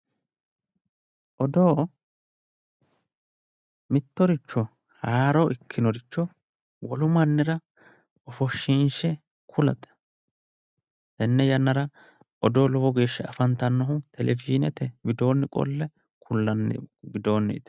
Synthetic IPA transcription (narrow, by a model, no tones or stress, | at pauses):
ʔɔd̪oː | mɪt̪ːɔɾɪt͡ʃːɔ | haːɾɔʔɪkʰːɪnɔɾɪt͡ʃːɔ | wɔlʊmɐnːɪɾɐ | ɔfɔʃːinʃɛ | kʰʊlɐt̪ʼɛ̥ | d̪ɐnːɛjɐnːɐɾɐ | ʔɔd̪oːlɔbɔɡe̞ːʃːɐɐfɐnt̪ɐnːɔhʊt̪ʰɛlʔɛfiːnɛt̪ɛbɪd̪o̞ːnːɪkʼɔ̰lːɛ | kʰʊlːɐn̰ːɡɪd̪o̞ːnːɛ̰ɪ̰t̪ɛ̥